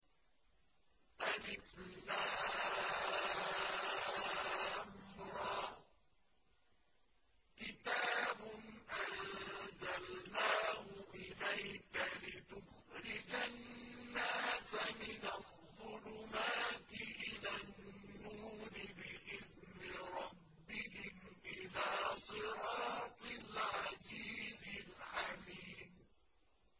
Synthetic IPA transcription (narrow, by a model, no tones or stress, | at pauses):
ʔanɪfnaː | amɾˤɑː | kɪt̪aːbʊnʔanzalnaːɦʊʔɪlajkalɪt̪ʊh | ɾɪd͡ʒanːaːsamɪnaðˤːʊlʊmaːt̪ɪʔɪlaːnnːuːɾɪbɪʔɪðnɪɾˤɑbːɪhɪmʔɪlaːsˤɨɾɑːt̪ˤɪlʕaziːzɪlʕamiːn